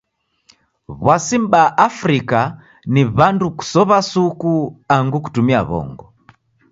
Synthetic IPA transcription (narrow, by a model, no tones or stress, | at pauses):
βwasimbaʔafɾika | niβanduku̥sɔβasukuaŋɡuku̥tumia̰βɔ̰ŋɡɔ